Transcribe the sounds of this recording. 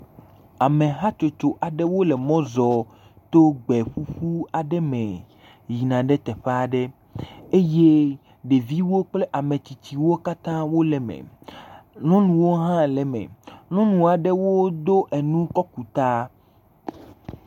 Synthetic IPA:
a˨mẽ˨ɦa˦t͡ʃo˨t͡ʃo˨ʔa˨ɖɛ˦wo˦le˨mɔ̃˦zɔ˨ | t̪o˦ɡ͡bɛ˨ɸu˦ɸu˦a˨ɖɛ˦mẽ˨ | ji˨nã˨ɖɛ˦t̪ɛ˨ɸe˦a˦˨ɖɛ˦ | e˦je˦ | ɖe˨vi˦wo˦k͡ple˦ʔa˨mẽ˨t͡ɕi˨t͡ɕi˨wo˦ka˦t̪ã˦wo˦lɛ˨mḛ˨ | nɔ̃˦nũ˨wo˦ɦã˦lɛ˨mḛ̃˨nɔ̃˦nũ˨a˨ɖɛ˦wo˦d̪o˦ʔe˨nũ˦kɔ˦ku˨t̪a˦

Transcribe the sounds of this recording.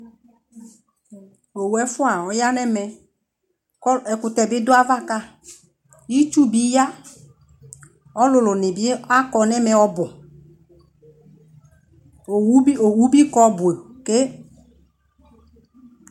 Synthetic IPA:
o˨wu˨ɛ˨fʊ˦a˨ɔ˨˦ja˦nɛ˦mɛ˨˦ | ɛ˨kʊ˨t̪ɛ˨bɪ˨˦dʊ˦a˦va˦ka˦ | ji˦t͡ʃu˦bi˦ja˦ | ɔ˦lʊ˨lʊ˨nɪ˨bɪ˦a˦kɔ˨nɛ˦mɛ˨ɔ˦bʊ˨˦ | o˨wu˦bi˦kɔ˦bʊ˨e˨ke˦

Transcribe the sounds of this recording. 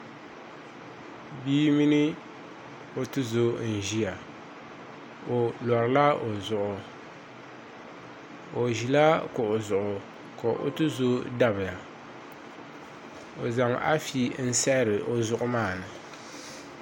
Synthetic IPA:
biː˦mi˦nɨ˦ | o˦tɨ˦zo˦n̩˨ʒi˦ja˨ | o˨lɔ˨ɾɨ˨la˦o˨zʊ˨ʔʊ˨ | o˨ʒi˨la˦kʊ˨o˨zʊ˨ʔʊ˨ | ko˨ʔo̰˦tɨ˦zo˦da˦βɪ˨ja˨ | o˨za˨ŋʔa̰˦fi˦n̩˦sɛ˦ɾɨ˨ʔo˦zʊ˦˨ʔʊ˦maː˦˨nɨ˨

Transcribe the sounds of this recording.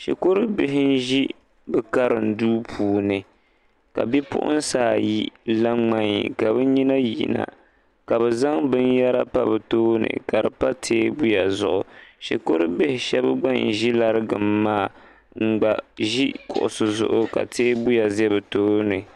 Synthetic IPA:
ʃɛ̰˨ko˦ɾɨ˦bɪ˦ɦɪ˦n̩˦ʒi˦ | bɨ˦ka˦ɾɨ˨n̩˨duː˦pʰuː˨nɨ˨ | ka̰˨bɛ˦pʊ̰˦ʔʊ̰˦n˦saː˦˨ji˦la˦ŋ͡ma˦ɲḭ˨ka˨bɛ˦ɲi˦na˦jḭ˨na̰˨ | ka˨bɛ˨za˦ŋbɨ˦nja˦ɾa˦pa˦bɨ˨toː˦nɨ̰˨ka˨dɨ˨pa˦tʰeː˦bu˦ja˨zʊ̰˨ʔʊ˨ʃi˨ko˦ɾɨ˦bɪ˦hɪ˨ʃɛ˦bɨ˦ɡ͡ba˦˨n˨ʒi˦la˦ɾɨ˦ɡɨ˨mːaː˦˨ | ŋ͡m̩˨ɡ͡ba˨ʒi˦kʊ̰˨ʔʊ˨sɨ˨zʊ̰˨ʔʊ˦ka̰˨tʰeː˦bu˦ja˨zɛ˦bɨ˨toː˦nɨ˨

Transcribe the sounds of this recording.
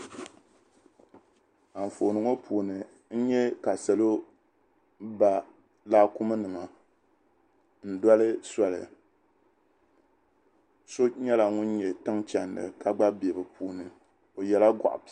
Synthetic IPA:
a˨ɱ̩˨fo˨nɨ˨ŋo˦pʰuː˨nɨ˨ | n̩˦ɲɛ˦ka˨sɛ˨lo˦ | ba˨ | laː˦ku˦mɨ˦nɨ˨ma˨ | n̩˦da˦lɨ˦sa˨lɨ̰˨ | so˦ɲɛ˦la˨ŋʊ˦nɲɛ˨tɨ˦ŋt͡ʃa˨ndɨ̰˨ka˦ɡ͡ba˦bi˨e˨bɨ˨pʰuː˨nɨ˨ | o˨jɛ˨la˦ɡɔ̰˨ʔʊ̰˨b

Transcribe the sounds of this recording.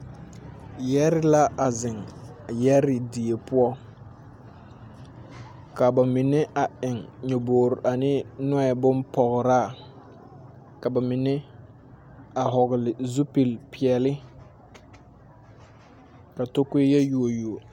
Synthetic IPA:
jɛ˦ɾɪ˦la˦a˨zɪ˨ŋ | jɛ˦ɾɪ˨di˨e˨pʊ˦ɔ˦ | ka˨ba˨mi˨ne˦ʔa˨ʔɪ˨ŋɲo˨boː˨ɾʔa˨nɪ˦nʊ˦ɛ˨bʊ˦npɔ˨ɣɾa˦˨ | ka˨ba˨mɪ˨ne˦ | a˨ɦɔ˨ɣɪ˨lɪ˨zu˦pi˨lpi˨ɛ˨lɪ˦ | ka˨to˦ke˦jɛ˦ju˨o˨ju˨o˨

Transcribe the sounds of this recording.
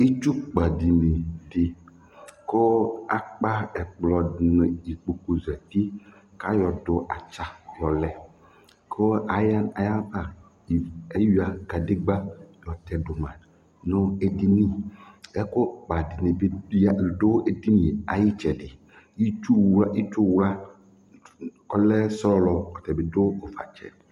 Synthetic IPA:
i˦t͡ʃu˦k͡pa˨di˨ne˨de˨ | ko˦a˨k͡pa˦ɛ˨k͡plɔ˨nẽ˨i˨k͡po˨ko˨zɛ˨t̪i˦ | ka˦jɔ˨dʊ˨ʔa˨t͡ʃa˦jɔ˨lɛ˨ | kʰo˦a˨ja˦a˨ja˦ba˦˨ | e˦wi˦a˨ɡa˨de˦ɡ͡ba˦jɔ˨t̪ɛ˨do˨mã˨ | nʊ̃˦e˨di˦nĩ˦ɛ˦ko˦k͡pa˨di˨ne˨be˦˨do˦e˨di˦nĩ˨a̰˨ji˦t͡ʃɛ˨dɪ˨ | ji˦t͡ʃu˦˨ji˦t͡ʃu˦wla˦ | kɔ˦lɛ˦sɔ˦lɔ˨kɔ˨t̪ɛ˨be˨do˦o˨fa̰˨t͡ʃɛ̰˨

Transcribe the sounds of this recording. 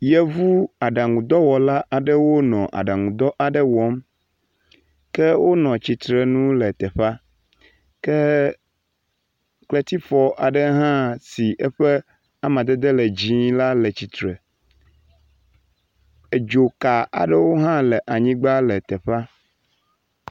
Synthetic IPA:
jɛ˦vu˦a˨ɖa˨ŋũ˨d̪ɔ˦wɔ˨la˦ʔa˨ɖə˦wo˦nɔ̃˨ʔa̰˨ɖa˨ŋũ˨d̪ɔ˦ʔa˨ɖə˦wɔ˨˦m | kɛ˦wo˦nɔ̃˨t͡ɕi˨t̪ɾɛ˨nũ˦lɛ˨t̪ɛ˨ɸa˦ | kɛ˦ | kle˦t̪i˦fɔ˨ʔa˨ɖɛ˦ɦã˦si˨ʔɛ˦ɸɛ˦ | a˨mã˨d̪ɛ˦d̪e˦lɛ˨d͡ʑi˦la˦lɛ˨t͡ɕi˨t̪ɾɛ˨ | e˨d͡ʒo˨ka˨a̰˨ɖə˦wo˦ɦã˦lɛ˨ʔa˨ɲĩ˦ɡ͡ba˦lɛ˨t̪ɛ˨ɸa˦

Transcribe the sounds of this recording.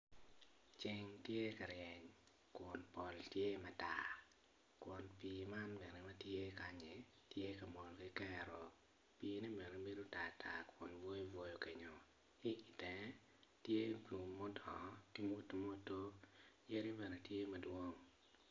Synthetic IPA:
t͡ʃɪ˦˨ŋtje˦ka˨ɾjɛ˨ɲ | kwɔ˨npɔ˨ltje˦mɛ˨ta̰˨ | kwɔ˨npiː˨ma˦nbɛ˨nɛ˨mɛ˦tje˦ka˨ɲe˨ | tje˦ka˨mɔ˨lɡi˦kɛ˦ɾɔ̰˨ | piː˨ni˦bɛ˨ne˨be˦do˦ta˨tʰa˨kwɔ˨nvo˦jvwo˦jo˦ke˨ɲo˨ | i˦ʔi˨tɛ˨ | tje˦blu˨mːɔ˦dɔ˨˦ki˦mu˦tmɔ˦to˦jɛ˦ɾi˦bɛ˨nɛ˨tje˦mɐ˨dwo˦ŋ

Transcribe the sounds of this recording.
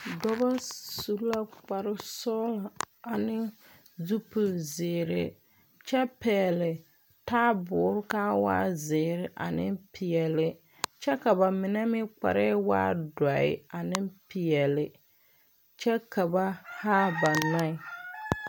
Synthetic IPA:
dɔ˦ba˦su˨˦la˦k͡pa˨ɾɪ˦sɔ˦la˨ | a˨nɪ˦ | zu˦pu˨zɪː˨ɾɪ̰˦ | t͡ʃɛ˦pɛː˨lɪ˨ | taː˦bʊː˨˦ɾʊ˦kaː˦wa̰ː˦zɪː˨ɾɪ˦ʔa̰˨nɪ˦pʰɪ˨ɛ˨lɪ˦ | t͡ʃɛ˦ka˨ba˨mɪ˨nɛ˦mɪ˦k͡pa̰˨ɾɛ˦wa̰ː˦da˨ɪ̰˦a˨nɪ˦pɪ˨jɛ˨lɪ˨ | t͡ʃɛ˦ka˨ba˦haː˦ba˨na˦ɪ˨

